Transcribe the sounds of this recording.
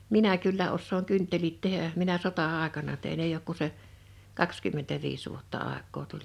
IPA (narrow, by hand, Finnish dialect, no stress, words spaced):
minæ kylːæ osːoːŋ kyntːelit tehæ minæ sotɑːekɑnɑ tein eij oːk ku se kɑkskymːentæʋiːs ʋuotːɑ ɑˑekˑoː tulʲ